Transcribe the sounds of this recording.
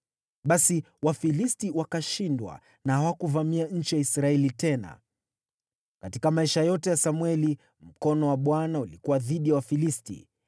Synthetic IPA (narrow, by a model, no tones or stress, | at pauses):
ɓasi | wafilistiwakaʃindwa̰ | nahawakuvamiaɲ̩t͡ʃijaisɾaɛlitɛna̰ | katikamaɛʃajɔtɛjasamwɛli | m̩kɔnɔwaɓwanaulikuwaðiɗijawafilistḭ